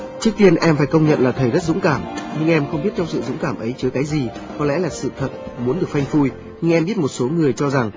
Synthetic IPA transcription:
t͡ɕɨ˦˥k̚t̪i˧ənʔɛ˧mfaː˧˩jkə˧wŋ͡mɲə̰˧˨nlaː˨˩t̪ʰə˨˩jzə˦˥t̚zʊ̰˧˥ŋ͡mkaː˧˩mɲɨ˧ŋʔɛ˧mxə˧wŋ͡mɓi˦˥t̚t͡ɕɔ˧ŋ͡msɨ̰˧˨zʊ̰˧˥ŋ͡mkaː˧˩mʔə˨˦jt͡ɕɨ˨˦əkaː˨˦jzi˨˩kɔ˨˦lɛ̰˧˥laː˨˩sɨ̰˧˨t̪ʰə˨˩t̚mu˨˦nɗɨ˨˩ək̚fa˧jŋ̟fu˧j | ɲɨ˧ŋʔɛ˧mɓi˦˥ət̚mo˨˩t̚so˨˦ŋɨ˨˩əjt͡ɕɔ˧za˨˩ŋ

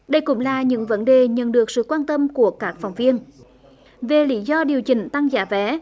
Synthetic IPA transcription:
ɗə˧jkʊ̰˧˥ŋ͡mlaː˨˩ɲɨ̰˧˥ŋvə˨˦nɗe˨˩ɲə̰˧˨nɗɨ˨˩ək̚sɨ̰˧˨kwaː˧nt̪ə˧mku˧˩əkaː˦˥k̚fa˨˩wŋ͡mvi˧ən | ve˨˩lḭ˧˥zɔ˧ɗi˨˩əwt͡ɕï˧˨˩ŋ̟t̪a˧ŋza̰ː˧˥vɛ˨˦

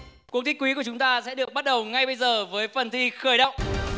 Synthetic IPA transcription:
kwət̪ʰi˦˥kwi˨˦ku˧˩ət͡ɕʊ˨˦ŋ͡mt̪aː˧sɛ̰˧˥ɗɨ˨˩ək̚ɓa˦˥t̚ɗə˨˩wŋa˧jɓə˧jzəː˨˩vəː˨˦jfə˨˩nt̪ʰi˧xəː˧˩jɗə̰˧˨wŋ͡mʔ

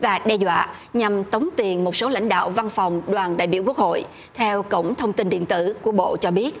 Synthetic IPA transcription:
vaː˨˩ɗɛ˧zwa̰ː˧˨ | ɲa˨˩mt̪ə˨˦wŋ͡mt̪i˨˩ənmo˨˩t̚so˨˦la̰˧˥jŋ̟ɗa̰ː˧˨wva˧nfa˨˩wŋ͡mɗwaː˨˩nɗa̰ː˧˨jɓḭ˧˩əwku˦˥ək̚ho̰˧˨j | t̪ʰɛ˧wkə̰˧˩wŋ͡mt̪ʰə˧wŋ͡mt̪i˧nɗḭ˧˨ənt̪ɨ̰˧˩ku˧˩əɓo̰˧˨t͡ɕɔ˧ɓi˦˥ət̚

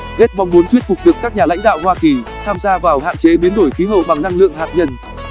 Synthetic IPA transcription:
ɣe˦˥t̚ma˨˧wŋ͡mmu˨˦nt̪ʰwi˦˥ət̚fʊ˨˩k͡p̚ɗɨ˨˩əkːaː˦˥k̚ɲaː˨˩la̰˧˥jŋ̟ɗa̰ː˧˨whwaː˧ki˨˩t̪ʰaː˧mzaː˧vaː˨˩wha̰ː˧˨nt͡ɕe˨˦ɓi˨˦ənɗo˧˩jxi˨˦ɦə̰˧˨wɓa˨˩ŋna˧ŋlɨ̰˧˨əŋhaː˨˩p̚ɲə˧˩n

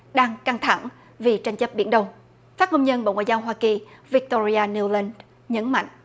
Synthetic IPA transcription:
ɗaː˧ŋka˧ŋt̪ʰa˧˩ŋ | vi˨˩t͡ɕa˧jŋ̟t͡ɕə˦˥p̚ɓḭ˧˩ənɗə˧wŋ͡m | faː˦˥t̚ho˧wŋ͡mɲə˧nɓo̰˧˨ŋwa̰ː˧˨zaː˧wɦwaː˧ki˨˩vi˦˥k̚t̪o˧ɾi˧aː˧ni˧wlə˧n | ɲə˨˦nma̰˧˨jŋ̟ʔ

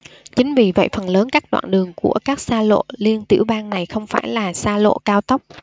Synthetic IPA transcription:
t͡ɕï˨˦ŋ̟vi˨˩və̰˧˨jfə˨˩nləː˨˦nkaː˦˥k̚ɗwa̰ː˧˨nɗɨ˨˩əŋku˧˩əkaː˦˥k̚saː˧lo̰˧˨li˧ənt̪i˧˩əwɓaː˧ŋna˨˩jxə˧wŋ͡mfaː˧˩jlaː˨˩saː˧lo̰˧˨kaː˧wt̪ə˦˥k͡p̚

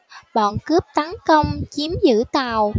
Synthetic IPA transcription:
ɓɔ̰ː˧˨nkə˦˥əp̚t̪a˨˦nkə˧wŋ͡mt͡ɕi˨˦əmzɨ̰˧˥t̪aː˨˩w

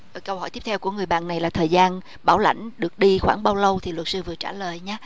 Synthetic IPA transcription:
kə˧whɦɔ˧˩jt̪p̚t̪ʰɛ˧wku˧˩əŋɨ˨˩əjɓa̰ː˧˨nːa˨˩jlaː˨˩t̪ʰəː˨˩jzaː˧n | ɓaː˧˩wla̰˧˩˨jŋ̟ɗɨ˨˩ək̚ɗi˧xwaː˧˩ŋɓaː˧wlə˧wt̪ʰi˨˩lwə˨˩t̚sɨ˧vɨ˨˩ət͡ɕaː˧˩ləː˨˩jɲaː˨˦

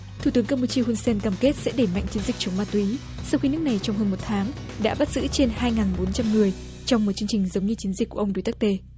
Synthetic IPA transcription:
t̪ʰu˧˩t̪ɨ˨˦əŋkaː˧mpu˧t͡ɕi˧hu˧nsɛ˧nkaː˧˩mke˦˥t̚sɛ̰˧˥ɗe˧˩ma̰˧˨jŋ̟t͡ɕi˨˦nzï˨˩k̚t͡ɕə˨˦wŋ͡mmaː˧˩t̪wi˨˦ | sa˧wxi˧nɨ˦˥ək̚na˨˩jt͡ɕɔ˧wŋ͡mhəː˧nmo˨˩t̚t̪ʰaː˨˦ŋ | ɗa̰ː˧˥ɓa˦˥t̚z̥ɨ̰˧˥t͡ɕe˧nhaː˧jŋaː˨˩nɓo˨˦nt͡ɕa˧mŋɨ˨˩əj | t͡ɕɔ˧wŋ͡mmo˨˩t̚t͡ɕɨ˧əŋt͡ɕï˨˩ŋ̟zə˨˦wŋ͡mɲɨ˧t͡ɕi˨˦nzi˨˩kkːu˧˩əʔə˧ŋ͡mɗu˧˩jt̪a˦˥k̚t̪e˧

